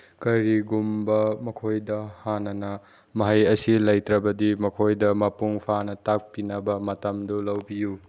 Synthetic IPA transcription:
kɐɾiɡumbɐmɐkʰojdɐhanɐnɐ | mɐɦɐjɐsilɐjtɾɐbɐdimɐkʰojdɐmɐpuŋpʰanɐtak̚pinɐbɐmɐtɐmdulɐwbiju

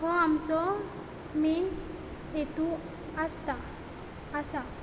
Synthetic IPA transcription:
ɦɔamt͡sɔ | min | et̪u | əst̪aː | sa

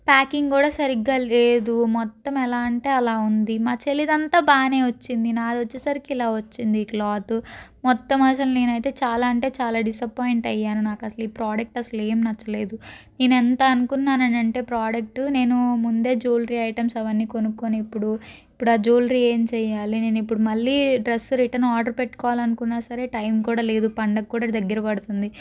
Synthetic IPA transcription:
paːkiŋɡkuːɽaːsɐɾiɡaːleːd̪umɔt̪ːɐmɛlaːɐɳʈeːɐlaːund̪imaːt͡ʃelid̪ɐnt̪aːbaːne̞ːʋɐt͡ʃːind̪inaːd̪ot͡ʃːisɐɾikiilaːʋɐt͡ʃːind̪iklaːt̪umɔt̪ːɐmɐsɐlne̞ːnɐjt̪e̞ːt͡ʃaːlaːɐɳʈe̞ːt͡ʃaːlaːɖisɐpaːjiɳʈɐjːaːnunaːkɐsɐliːpɾaːɖɐk̚ʈɐsɐle̞ːmnɐt͡ʃːɐle̞ːd̪uneːnɛnt̪ɐɐnukunːaːnɐɳɐɳʈe̞ːpɾaːɖɐk̚ʈune̞ːnumund̪e̞ːd͡ʒuːlɾiːɐjʈɐmsɐʋɐnːiːko̞nukːoniːpːuɽuipːuɽaːd͡ʒuːlɾie̞ːmt͡ʃɛːjaːline̞ːnuipːuɽumɐɭːiːɖɾesːuɾiʈɐɾnaːɾɖɐɾpeʈːkɔːʋaːlɐnukunːaːsɐɾe̞ːʈɐjmkuːɽaːle̞ːd̪upɐɳɖɐkːuːɽaːd̪ɐɡːɐɾɐpɐɽut̪und̪i

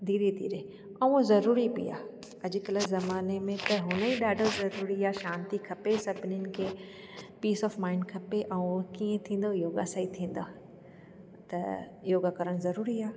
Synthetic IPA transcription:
d̪ʱiːɾed̪ʱḭːɾe | ɐ̃ũzɐɾuːɾibḭja̰ː | ɐd͡ʑɪkɐləzɐmaːnemẽt̪ɐɦʊnəiɗaːɖʱəzɐɾuːɾiaːʃãːnt̪ikʰɐpesɐbʱɪnjənɪ̆kʰe | piːsɔːfmaːɪɳɖkʰɐpeʔɐũkiːẽt̪ʰĩːn̆d̪ojoːɡaːsaːit̪ʰĩːn̆d̪a | t̪ɐ | joːɡakɐɾəɽ̃̆zɐɾuːɾiaː

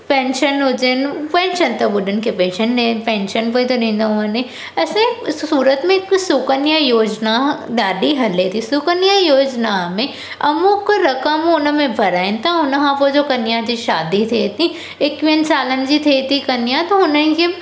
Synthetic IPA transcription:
pɛ̃ːnʃənod͡ʒenpɛ̃ːnʃənt̪ɐbʊɖənkepeːʃəɳnẽpɛ̃ːnʃənpoit̪onẽːnd̪aʊɐ̃nẽ | ɐsmẽuːɾət̪mẽksʊkənjajoːd͡ʒnaɖaːɖiɦɐlet̪ʰisʊkənjajoːd͡ʒnamẽ | ɐmũkɾɐkəmʊnəmẽbʱɐɾaːẽnt̪aɦʊnɦãpod͡ʒokɐnjad͡ʒiʃaːd̪it̪ʰet̪ʰĩ | ekʋinsaːlənd͡ʒit̪ʰet̪ikɐnjat̪oɦʊnə̃ke

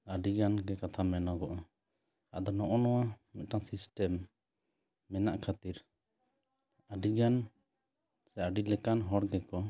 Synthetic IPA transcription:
aɖiɡanɡɛkat̪ʰamɛnɔɡɔʔ | aʔd̪ɔnɔʔɔnɔwamɛt̪̚ʈaŋsisʈɛm | ɛna̰ʔkʰat̪iɾ | aɖiɡan | sɛaɖilɛkanɦɔɽɡɛkɔ

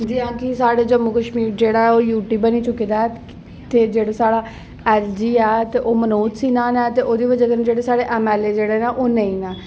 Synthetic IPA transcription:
d̪iãːkɪsaːɽeːd͡ʒəmːukəʃmiːɾd͡ʒeːɽaːɛːoːjuːʈiːbəniːt͡ʃʊkiːd̪aːɛ | t̪eːd͡ʒeːɽaːsaːɽaː | ɛːld͡ʒiːɛːt̪eːʔoːmənuːt̪siːnaːnɛːt̪eːʔoːd̪iːʋəd͡ʒaːk̪ənd͡ʒeːɽeːsaːɽeːʔɛːmɛːleːd͡ʒeːɽeːnɛ̃ːʔoːnəĩːnɛː

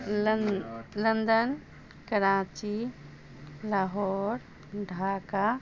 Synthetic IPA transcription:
lənd̪ən | kəɾaːt͡ʃi | laɦoɾ | ɖʱaːka

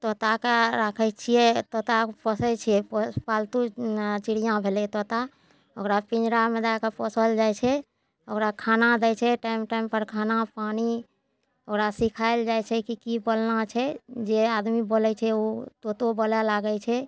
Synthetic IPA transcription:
t̪ot̪akeɾakʰəjt͡ʃʰijɛt̪ot̪apəsɛt͡ʃʰiɛppalt̪ut͡ʃiɽijãbʱelɛt̪ot̪a | okɾapĩnd͡ʒɾamed̪akepəsəld͡ʒajt͡ʃʰɛ | okɾakʰanad̪ɛjt͡ʃʰɛʈaimʈaimpəɾkʰanapani | okɾasikʰaeld͡ʒajt͡ʃʰɛkikibolnat͡ʃʰɛd͡ʒead̪mibolɛt͡ʃʰɛot̪ot̪obəlɛlaɡɛt͡ʃʰɛ

